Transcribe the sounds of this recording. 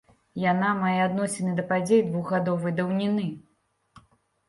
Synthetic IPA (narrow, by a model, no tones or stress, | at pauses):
janamajɛad̪nɔsʲɛnɐjd̪ɐpad͡zʲejd̪vuɣɣad̪ɔvɐjd̪ɐwnʲinɨ